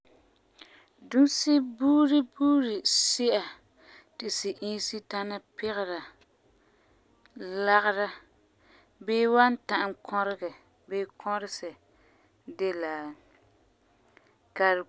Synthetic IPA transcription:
du˦sɪ˦buː˦ɾɪ˦buː˦ɾɪ˨sɪ˦ʔa˨ | tɪ˨sɪ˨ʔĩː˦si˦ta˦na˦pɪ˦ɣɪ˨ɾa˨ | la˦ɣɪ˦ɾa˦ | beː˦wa˦n˦ta˨ʔɪ˨ŋkʰɔ˦ɾɪ˦ɡɛ˨ | beː˦kʰɔ˦ɾɪ˦sɛ˨ | de˦laː˨ | ka˨ɾ

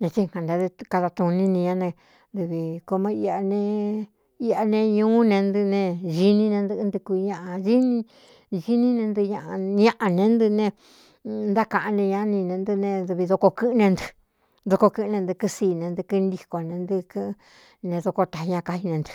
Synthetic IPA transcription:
ɲã˧t͡ʃi˦ŋkã˨nd̪a˧ka˧ða˧t̪ũ˧nĩ˦nĩ˧ɲã˧˦nẽ˧ | d̪ɨ˧βi˧ko˧mẽ˧˦i˧a˧nẽ˧ | i˧a˧nẽ˧ɲũː˦nẽ˧nd̪ɨ˧nẽ˧ʒi˧nĩ˦nẽ˧nd̪ɨ˧˦nd̪ɨ˧ku˧ɲã˧ʔa˧ʒi˦nĩ˦˧ | ʒi˦nĩ˦nẽ˧nd̪ɨ˧ɲã˧ʔɲã˧ʔa˧nẽ˧˦nd̪ɨ˧nẽ˧ | nd̪a˦kã˧˨ʔã˧nẽ˧ɲã˧˦nĩ˧nẽ˧nd̪ɨ˧nẽ˧ðɨ˧βi˧ðo˧ko˧kɨ˦ʔnẽ˧nd̪ɨ̥˧ | ðo˧ko˧kɨ˧˦˧nẽ˧nd̪ɨ˧kɨ˦˧siː˧nẽ˧nd̪ɨ˧kɨ˦˧nd̪i˧ko˧nẽ˧nd̪ɨ˧kɨ˦ʔ | nẽ˧ðo˧ko˧t̪a˨i˧ɲã˧ka˧hi˧nẽ˧nd̪ɨ̥˧

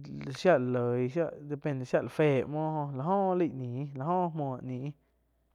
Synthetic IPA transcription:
ʃja˦ʔllə˨jʃja˦ʔd̪e˧pẽ˧nd̪e˨ʃja˦ʔla˨feː˦˨ʔmɔ̃ː˦hõ˧la˨ɦɔ̃ː˦˨˦li˦˨ʔnĩː˨˦la˨hõ˦˨ʔhmɔ̃ː˧˨ʔnĩ˨ʔ

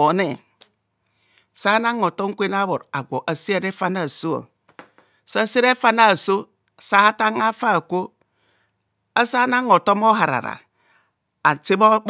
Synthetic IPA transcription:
o˨˦ne˨ | sa˦na˦ŋo˨to˦ŋ˦kʷe˦na˦bo˨ɾa˨ɡʷo˨ʔa˨si˦e˦˨ɾe˦fa˦na˦˨so˦a̰˨ | sa˦si˦ɾe˦fa˦na˦˨so˦˨ | sa˦ta˦ŋa˦fa˦˨ko˦ | a˦sa˦na˦ŋo˨to˦mo˦ɦa˨ɾa̰˨ɾa̰˨ | a˨ti˦bo˦

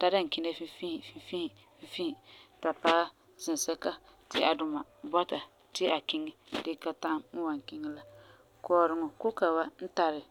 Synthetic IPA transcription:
ta˦ɾa˦ŋ˨ki˦na˦fi˦fi˦hfi˦fi˦h | fi˦fi˦˨ta˨paː˦ | z̥ɪ˨n˨sɛ˦ka˦ | tɪ˦a˨dʊ˨ma˨ | bɔ˦ta˨ | tɪ˦a˨kɪ˦ŋɪ˦dɪ˦ka˦ta˦mn̩˦wa˨ŋ˨kɪ˦ŋɪ˦la˦ | kɔː˨ɾɪ˨ŋɔ˨kʊ˦ka˨ba˦n̩˦ta˨ɾɪ˨

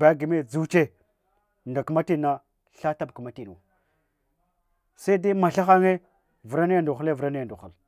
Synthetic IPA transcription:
ba˨˦ɡi˨me˦d͡zu˦t͡ʃe˦ | nda˨ka˨ma˦ti˦na˦ | ɬa˦ta˦b̚kə˨ma˦ti˨n˨a˨ | sa˦de˦ma˨ɬa˦xa˦ŋe˦ | və˨ɾa˦n˦ja˦ndu˨xu˦le˦vu˨ɾa˦n˦a˨ndu˨xa˨l

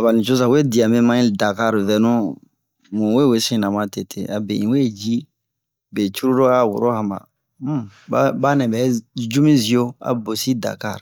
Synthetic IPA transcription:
a˨ba˨lĩ˨t͡ʃo˦s̬a˨we˦di˨ã˨mɛ˦mã˦ĩ˦da˨ka˦ɾvɛ˨nũ˦ | mũ˨we˦we˦sĩ˦nã˨mã˦te˨tʰe˨a˨bɛ̰̃˨ĩ˨we˦˨d͡ʒi˦ | bɛ˨t͡ʃu˦ɾu˦do˦a˨wo̰˨ɾo˦hã˨mba̰˨˦ | ba˦ba˦nɛ̃˨bɛ˨˦d͡ʒu˦mĩ˦zi˨o˦a̰˨bo˨si˦da̰˨ka̰˦˨ɾ

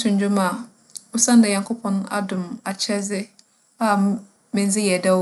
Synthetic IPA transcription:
sʊ̃˨ɲ˦d͡ʑᶣʊ̃˦ma˨ | ʊ˦sã˦n˦dã˨ɲã˨ŋkʰo˦pʰɔ̃˨n˦a̰˨dʊ̃˨ma˨t͡ɕʰɛ˦zɪ˦ | a˦ | mɪ̃˨n˦zɪ˦jɛ˨dɛ˦

